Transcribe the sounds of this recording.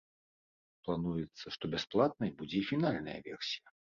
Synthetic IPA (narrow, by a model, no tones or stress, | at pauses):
plˠanujɛt̪sːɐʂt̪ɔbʲasplˠat̪̚nɐjbud͡zʲɛifʲinalʲnɐjɐ̰vʲɛrsʲijɐ